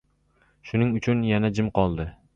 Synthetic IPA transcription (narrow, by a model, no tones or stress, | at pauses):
ʃʊnɪŋʊt͡ʃʰʊnjanad͡ʒɪmqɒlˠd̪ɪ